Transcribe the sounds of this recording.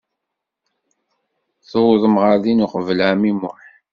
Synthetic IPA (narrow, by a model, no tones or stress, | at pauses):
θowðˤəmʁaɾðinʊqvəlʕæmimʊħ